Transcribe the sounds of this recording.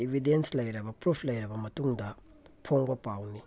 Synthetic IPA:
ibʱidenslɐjɾɐbɐpɾupʰlɐjɾɐbɐmɐtuŋdɐ | pʰoŋbɐpawni

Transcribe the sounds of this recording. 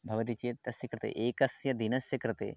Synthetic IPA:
bʱɐʋɐt̪̬it͡ʃeːt̪ɐsjɐkɾɪt̪ḛːʔeːkɐsjɐd̪inɐsjɐkɾɪt̪ḛː

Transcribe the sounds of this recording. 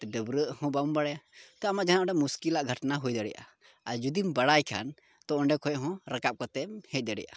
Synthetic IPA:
ɖəbɾəʔhɔ̃baumbaɽɛjat̪ɔamaʔd͡ʒanaʔɖɛmuskilaʔɡʱəʈnaɦujd̪əɽɛ̰jʔa̰ | ad͡ʒud̪imbaɽajkʰa̰n | t̪ɔʔɔ̃ɳɖɛkʰɔjɔʔɦɔ̃ɾakap̚kɔt̪ɛmhɛc̪̚ˀd̪əɽɛ̰jʔa̰

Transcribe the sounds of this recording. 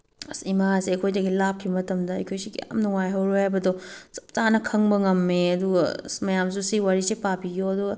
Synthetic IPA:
simasiɐjkʰojdɐɡilap̚kʰimɐtɐmdɐɐ̰jkʰojsikɐ̰ja̰mnuŋajɦɐwɾohajbɐdɔsɐ̥p̚tanɐkʰɐŋbɐŋɐmːeɐduɡɐmɐjamsusiwaɾisepapiɡjoɐduɡɐ

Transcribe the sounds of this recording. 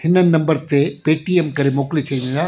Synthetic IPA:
hɪnːɐnnɐ̃mbɐɾt̪epeːʈiemkɐɾemoːklit͡ʃʰɐjnɐla

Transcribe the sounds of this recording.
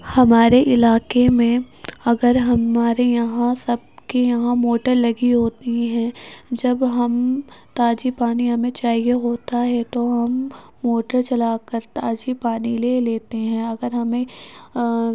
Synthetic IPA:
hɐmaːɾeʔɪlaːkemẽɐɡəɾɦɐmaːɾejɐɦãsɐb̚kijɐɦãmoːʈəɾlɐɡiɦoːt̪iɦɛ̃d͡ʒɐbɦɐmt̪aːd͡ʒipaːniɦɐmẽt͡ʃaːɦieɦoːt̪aɦɛt̪oɦɐmː | oːʈəɾt͡ʃɐlaːkəɾt̪aːd͡ʒipaːnileleːt̪eɦɛ̃ːɐɡəɾɦɐmẽ

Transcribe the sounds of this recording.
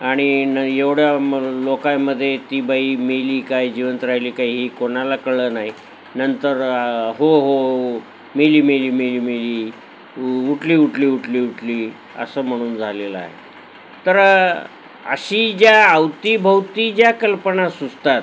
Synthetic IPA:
aɽ̃inəjeʋɽjalokajməd̪ʱːjet̪ibaiːmeliːkajd͡ʑiʋənt̪ɾaɦiliːkaiːɦikonalakəɭəːnaɦi | nənt̪əɾɦoɦo | meliːmeliːmeliːmeliː | uʈliːuʈliːuʈliːuʈliː | ə̰səːm̤əɽ̃uːnd͡zʱaleləa̰ɦḛ | t̪əɾ | ə̰ɕiːd͡ʑjaəwt̪ibʱəwt̪id͡ʑjakəlpəɳasud͡zt̪at̪

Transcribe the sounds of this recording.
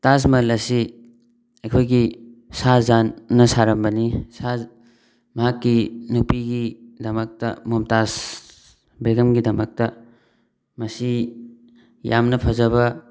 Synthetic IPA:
tas̬mɐlɐsi | ekʰojɡisazanːɐsaɾɐmbɐnisa | mɐɦakːinupiɡidɐmɐk̚tɐ̰momtas | beɡɐmɡidɐmɐk̚tɐ | mɐsi | ja̰mnɐpʰɐzɐβɐ

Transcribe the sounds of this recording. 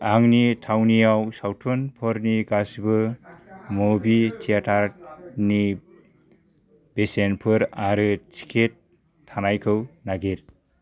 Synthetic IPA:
aŋnitʰawniawsawtʰɔnpʰɔɾniɡasbɯ | mobitʰijatʰaɾni | b̥esenpʰɯɾaɾɯt͡ʃʰi̥kʰetʰː | anajkʰɯwnaɡiɾ

